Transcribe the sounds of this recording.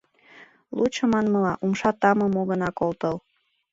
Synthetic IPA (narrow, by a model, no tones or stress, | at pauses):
lut͡ʃəmɑnmɤlɑʔumʃɑt̪ɑmɤmoɣənɑkolt̪əl